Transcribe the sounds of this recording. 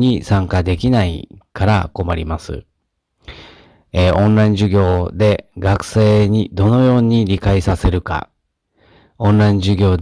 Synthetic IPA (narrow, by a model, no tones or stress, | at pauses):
ɲisãŋkad̪e̞kʲinaḭkaɾa̰ko̞maɾʲimasɨ̰ | eːʔõ̞nɾaĩɲ̟d͡ʑɨɡʲo̞ːd̪e̞ɡakɯ̟̥se̞ːɲ̟id̪o̞no̞jo̞ːɲ̟iɾʲikaisase̞ɾɯ̟ka̰ | õ̞nɾaĩɲd͡ʑɨɡʲo̞ːd̪